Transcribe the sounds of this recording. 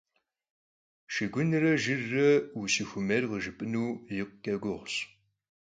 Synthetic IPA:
ʃɪɡʷʊnrɐʒɨrːɐusixʷʊmɐrʁəʒɨpʼɨnuːjɪqkʼɐɡʷʊʁɕ

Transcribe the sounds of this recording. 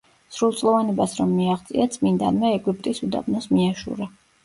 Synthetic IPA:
sɾulˠt̪sʼlˠɔvanɛbasɾɔmːiaχt̪sʼḭat̪sʼmind̪a̰nmɛːɡup̚ʼt̪ʼisud̪a̰bnɔsmiaʃṵɾa

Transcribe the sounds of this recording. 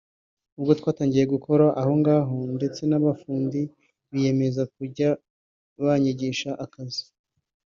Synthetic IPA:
ubɡotwaːtaːɲɟije̞ɡukʰo̞ɾaʔaho̞ŋɡaːɦo̞nde̞t͡se̞naβafuːndi | βije̞me̞zak̚uɾɟa | βaɲiɟiːʃaʔakazi̥

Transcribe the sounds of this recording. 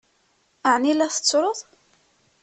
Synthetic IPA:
əʕnilæθə̥t͡sːɾˤoðˤ

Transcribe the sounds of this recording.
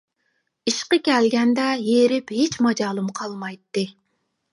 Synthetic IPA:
iʃqɨkʲɛlɡʲɛnd̪ɛjeɾɪphet͡ʃmɑd͡ʒɑːlˠɨmqʰɑlˠmɑjt̪ːɨ

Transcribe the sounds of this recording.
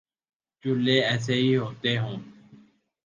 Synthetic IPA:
t͡ʃʊleːɛːs̬eːɦiːɦoːt̪eːɦõː

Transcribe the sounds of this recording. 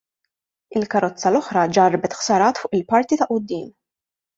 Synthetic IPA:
ɪlkɐɾɔt͡sːɐlɔħɾɐd͡ʒɐrbɛt̪xsɐɾɐːt̪fʊːʔɪlpɐɾt̪it̪ɐʔʊd̪ːiːm

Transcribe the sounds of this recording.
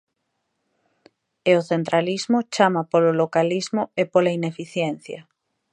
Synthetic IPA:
eoθent̪ɾalizmʊt͡ʃamapololokalizmʊepolainefiθjɛn̟θjɐ

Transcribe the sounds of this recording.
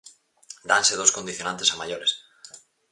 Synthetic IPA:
d̪ansɪðowskond̪iθjonãnt̪esamaʎoɾes

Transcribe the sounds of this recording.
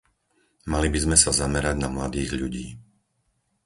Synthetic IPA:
malibizmɛsazamɛɾaɟnamlad̪iːɣʎuɟiː

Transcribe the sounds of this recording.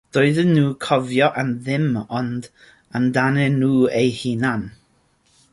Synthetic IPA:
d̥oɨðənːuːkʰɔvjɔʔanðɪmɔnd | əndanɛnuːejhinan

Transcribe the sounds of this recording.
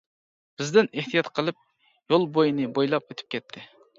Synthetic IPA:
b̥ɪzd̪ɪneht̪ʰijɑt̪qʰəlˠɨp̚ | jolˠbojinɨbojlˠɑpøt̪ʰy̥p̚kʲʰɛt̪ʰːɪ

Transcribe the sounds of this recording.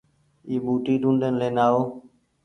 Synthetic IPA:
iːɓuːʈiːd̪ũːɳɖənleːnaːoː

